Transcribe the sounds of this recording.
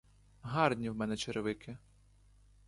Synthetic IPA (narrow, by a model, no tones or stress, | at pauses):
ɦɑrnʲiwmɛnɛt͡ʃeɾeʋɪkʰɪ